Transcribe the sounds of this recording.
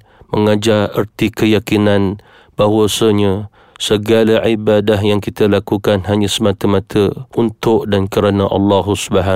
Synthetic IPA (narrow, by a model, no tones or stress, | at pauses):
məŋad͡ʒarə̰rt̪ikəjakinan | b̥aɦwasəɲə | səɡalaʕibadaɦjaŋkit̪əlakukanɦaɲãsəmãt̪əmãt̪ʰəunt̪ʊʔdankəɾanaʔɑ̰lːɑɦusbaɦa